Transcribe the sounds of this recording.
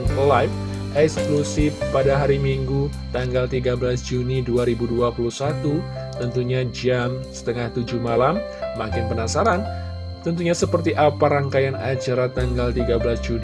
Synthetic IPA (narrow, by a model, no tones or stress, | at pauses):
nlajf | ʔɛksklusɪfpadaɦaɾimiŋɡut̪aŋɡalt̪iɡabəlasd͡ʒuniduaɾibuduapulusat̪u | t̪ənt̪uɲad͡ʒamsə̥t̪əŋaht̪ud͡ʒumalamː | akɪnpənasaɾan | t̪ənt̪uɲasəpərt̪iʔapaɾaŋkajanad͡ʒaɾat̪aŋɡalt̪iɡabəlasd͡ʒun